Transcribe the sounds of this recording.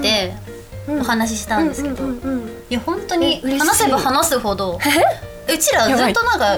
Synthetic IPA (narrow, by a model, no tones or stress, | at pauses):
t̪ːe̞ | ohanaɕ̬iɕi̥t̪ãnd̪sɨkedo | jahõ̞nt̪o̞ɲ̟ianase̞bahanasɨho̞d̪o̞ | ɯ̟t͡ɕiɾazɨːt̪ːonãŋka